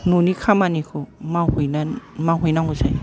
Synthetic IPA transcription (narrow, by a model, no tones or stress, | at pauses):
nunikʰamanikʰɔmawhujnanmawɦujnaŋuzaj